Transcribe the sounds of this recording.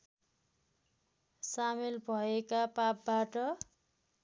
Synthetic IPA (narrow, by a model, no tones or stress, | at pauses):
samelbʱʌekapapbaʈʌ